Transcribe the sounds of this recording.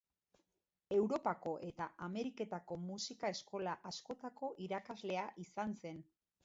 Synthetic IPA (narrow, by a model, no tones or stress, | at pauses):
e̞wɾo̞pako̞ʔe̞t̪aʔame̞ɾike̞t̪ako̞musikae̞sko̞laʔasko̞t̪ako̞ʔiɾakazle̞aʔisanse̞n